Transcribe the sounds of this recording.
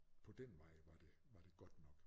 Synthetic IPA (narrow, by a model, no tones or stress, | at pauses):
pʰɒ̽d̥enʋɑ̈ɪʋɑ̈d̥e̝ | ʋɑ̈d̥e̝ɡ̥ɒ̽d̥nɒ̽ɡ̥